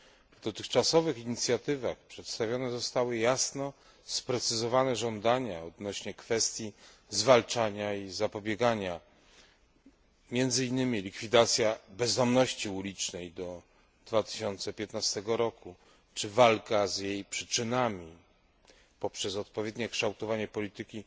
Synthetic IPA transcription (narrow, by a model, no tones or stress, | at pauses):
vd̪ɔt̪ɘxt͡ʂasɔvɘxiɲit̪sʲjat̪ɘvaxpʂɛt̪st̪avʲjɔnɛzɔst̪awɘjasnɔ | spɾɛt̪sɘzɔvanɛʐɔnd̪aɲaɔd̪nɔɕɲɛkfɛst̪ʲji | zvalt͡ʂaɲaizapɔbʲjɛɡaɲa | mʲjɛnd̪zɘinːɘmʲilʲikfʲid̪at̪sʲjabɛzd̪ɔmnɔɕt͡ɕiulʲit͡ʂnɛjd̪ɔ | d̪̥vat̪ɘ̥ɕɔnt̪sɛpʲjɛt̪nast̪ɛɡɔɾɔku | t͡ʂɘvalkazjejpʂɘt͡ʂɘnamʲi | pɔpʂɛsɔt̪̚pɔvʲjɛd̪ɲɛkʂt̪awt̪ɔvaɲɛpɔlʲit̪ɘkʲi